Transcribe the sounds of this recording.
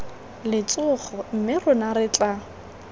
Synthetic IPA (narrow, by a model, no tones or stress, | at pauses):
lɪt͡sʼʊχɔm̩mɪrʊnarɪt͡ɬʼa